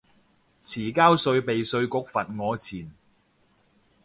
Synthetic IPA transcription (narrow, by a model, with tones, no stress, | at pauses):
t͡sʰiː˨˩kaː˥wsɵ˧ɥpe˨jsɵ˧ɥkʊ˨k̚fɐ˨t̚ŋɔː˨˧t͡sʰiː˨˩n